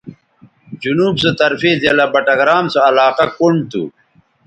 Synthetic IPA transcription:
d͡ʑunuːbset̪ɐɾfezelabɐʈɐɡɾaːmsoɐlaːqɐkuɳɖt̪ṵ

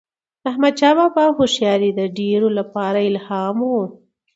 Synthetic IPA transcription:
ahmad̪̚t͡ʃɑbabahoʃjɑɾid̪əɖeɾolapɑɾaɪlhɑmwu

